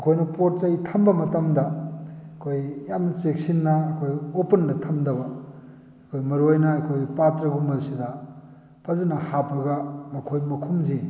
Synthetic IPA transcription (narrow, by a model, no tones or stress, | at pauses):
ɐkʰojnɐpot̚t͡ʃɐjtʰɐmbɐmɐtɐmdɐɐkʰojjamnɐt͡ʃek̚sinːɐːkʰojopɐndɐtʰɐmdɐbɐː | kʰojmɐɾuajnɐɐkʰojpatɾɐɡumɐɾsidɐ | pʰɐzɐnɐhapɐɡɐmɐkʰojmɐkʰumzi